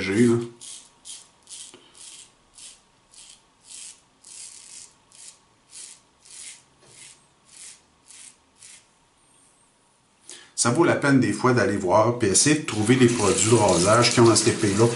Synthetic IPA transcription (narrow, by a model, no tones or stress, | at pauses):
ʒelɔ | savolapɛnd̪eːfwad̪alevwɑːʁpiɛsɛjed̪ət̪ʁuved̪epʁɔd͡zɥid̪əʁoːzaʒ̥kʲiɔ̃asɛt̪epelɔ